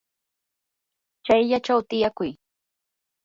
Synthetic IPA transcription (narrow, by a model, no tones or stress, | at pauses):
t͡ʃajʎat͡ʃawt̪ɪjakʊj